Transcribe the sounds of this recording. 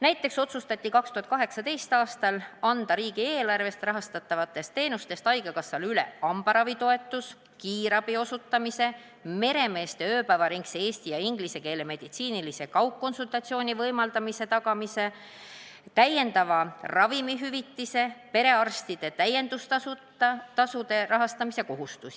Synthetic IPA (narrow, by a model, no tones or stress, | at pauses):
næjt̪ːˑe̞kso̞t̪sust̪ɑt̪ʲˑːikɑkst̪uhɑt̪̚kɑɦe̞ksɑt̪e̞jst̪ɑːst̪ɑlɑnd̪̥ɑɾiːɡ̥ie̞ːlɑrve̞st̪rɑɦɑst̪ɑt̪ːˑɑvɑt̪ːˑe̞st̪ːe̞ːnust̪e̞st̪ɑjɡ̥ɑkɑsːɑlyle̞̰ɑmb̥ɑɾɑvit̪o̞e̞t̪ːˑus | kiːɾɑb̥io̞sut̪ːɑmise̞ | me̞ɾe̞me̞ːst̪e̞øːpævɑɾiŋksee̞ːsʲt̪ijɑiŋɡ̥lise̞ke̞ːle̞me̞d̪̥it̪siːnilise̞kɑwkːo̞nsult̪ˑɑt̪sio̞ːnʲivɤjmɑld̪ɑmise̞t̪ɑɡɑmise̞ | t̪æje̞nd̪̥ɑvɑrɑvimiɦyvit̪ːise̞pe̞ɾe̞ɑrst̪id̪̥e̞t̪æje̞nd̪ust̪ɑu | t̪ɑsud̪e̞rɑɦɑst̪ɑmise̞ko̞ɦust̪usi̥